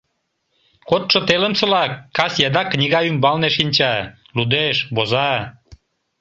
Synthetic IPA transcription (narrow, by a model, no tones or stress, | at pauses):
kot̪ʃŏt̪eləmsɤ̆lɑkːɑsjɑd̪ɑknʲiɣɑymbɑlneʃinʲt͡ɕɑ | lud̪eʃbozɑ